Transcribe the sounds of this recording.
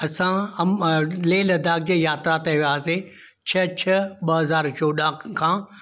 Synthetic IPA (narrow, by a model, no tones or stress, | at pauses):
ɐsãmleːlɐd̪ʱaːk̚d͡ʑeːjaːt̪ɾat̪ɐʋiaːse | t͡ɕʰɐt͡ɕʰɐɓɐɦɐzaːɾt͡ɕoːɗãːkʰãː